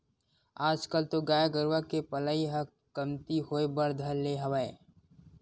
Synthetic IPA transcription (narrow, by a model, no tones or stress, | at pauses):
aːd͡ʒkəlt̪oɡaːjaɡəɾwakepələiɦɐk | kɐmt̪iɦoːebɐɾd̪ʱəɾleɦɐʋae